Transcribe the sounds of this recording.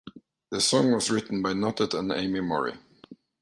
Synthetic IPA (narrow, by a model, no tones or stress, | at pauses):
ðɨsɔ̃ŋwʌzɹɪtn̩baɪnɑtətə̃nḛ̃ɪ̃mimɔɹḭ